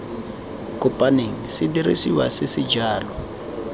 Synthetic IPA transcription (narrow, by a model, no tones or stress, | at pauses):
kʼʊpʼaniŋ̩sɪdirḭsiwa̰sɪsid͡ʒaːlɔ